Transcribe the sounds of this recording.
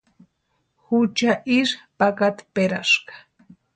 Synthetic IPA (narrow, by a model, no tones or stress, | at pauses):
hʊt͡ʃaʔɪʃpakat̪ḁpeɾaʃɢɑ̥